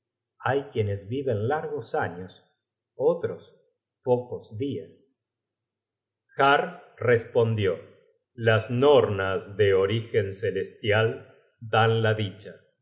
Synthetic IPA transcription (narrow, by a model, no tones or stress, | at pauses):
ajkje̞nezβiβe̞nlaɾɣosaɲos | ot̪ɾos | pokozðias | xaɾrespo̞nd̪jo̞ | lasnoɾnazðe̞oɾixe̞nse̞le̞st̪jal | d̪anlaðit͡ʃa